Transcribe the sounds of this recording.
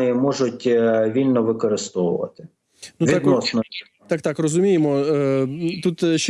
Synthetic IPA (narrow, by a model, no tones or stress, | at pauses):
ɪjimɔʒʊtʲʋʲilʲnɔʋɪkɔɾɪst̪ɔwʊ̰ʋɐ̰t̪ɪ̥ | nuʋʲiɛd̪nɔsnɔ | t̪ɑkt̪ɑkrɔzʊmʲijemɔ | t̪ut̪ʃ